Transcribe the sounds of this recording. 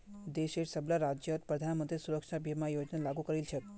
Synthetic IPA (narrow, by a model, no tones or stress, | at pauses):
d̪eʃeʈsəblaɾad͡ʒjət̪pɾəd̪ʱanmənt̪ɾisuɾəkʂabʱjəmãjod͡ʒnalaɡukəɾilt͡ʃʰe